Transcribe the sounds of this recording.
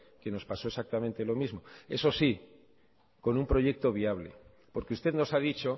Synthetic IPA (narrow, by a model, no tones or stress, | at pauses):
ke̞no̞spaso̞e̞sak̚t̪amẽnt̪e̞lo̞mizmo̞e̞̰so̞si | ko̞numpɾo̞ʝe̞k̚t̪o̞β̞iaβ̞lḛ | po̞ɾkeust̪e̞ðno̞saðit͡ʃo̞